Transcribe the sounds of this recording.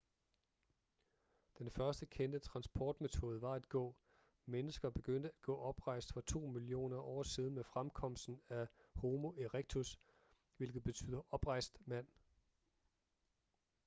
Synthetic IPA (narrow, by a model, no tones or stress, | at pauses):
d̥enfɶɐsd̥əkʰend̥ət͡sʰʁɑ̈nsb̥ʰɒːd̥met͡sʰo̝ːð̞ˠəʋɑ̈æd̥ɡ̥ɔ̰̽ː | menəsɡ̥ɐb̥e̝ɡ̥øn̰d̥əæd̥̚ɡ̥ɔ̰ːɒ̽b̥ʁɑ̈ɪ̰sd̥fɒ̽t͡sʰo̝̰ːmilio̝̰ːnɐʔɒ̰ːsiːð̞ˠn̩mefʁamkʰɒ̽m̰sd̥n̩æho̝ːmo̝ʔeʁeɡ̥̚t͡sʰus | ʋe̝lɡ̥ð̞̩ˠb̥e̝t͡sʰy̰ːðˠɐʔɒ̽b̥ʁɑ̈ɪ̰sd̥mæn̰